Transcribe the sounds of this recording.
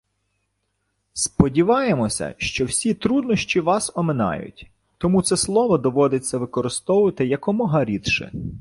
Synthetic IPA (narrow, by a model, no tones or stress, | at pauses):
spɔdʲiʋɑjemɔsʲɐ̰ʃt͡ʃɔwsʲit̪ɾud̪nɔʃt͡ʃʲiʋɑsɔmenɑ̰jʊ̰tʲ | t̪ɔmut̪sɛslˠɔʋɔd̪ɔʋɔd̪et͡sʲːɐʋɪkɔɾɪst̪ɔwʊʋɐt̪ɪjɐkɔmɔɦɐɾʲit̪ʃɪ̰